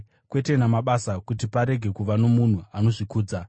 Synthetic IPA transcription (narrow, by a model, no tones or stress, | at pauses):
kwe̞te̞namaɓasakutipaɾe̞ɡʱe̞kuʋano̞mun̤uano̞ʐikuːd͡za